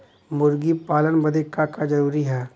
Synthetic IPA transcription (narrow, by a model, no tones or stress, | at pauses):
mʊɾɡipaːlənbɐd̪ekakad͡ʒɐɾuːɾiɦɛː